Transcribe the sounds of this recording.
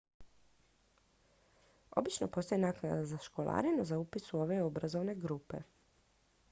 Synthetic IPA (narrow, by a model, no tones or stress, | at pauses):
o̞̰bit͡ʃno̰po̞st̪ojenaknad̪azaʃkolˠa̰ːɾinazaupisuo̞ʋe̞obɾazoʋne̞ɡɾupe̞̰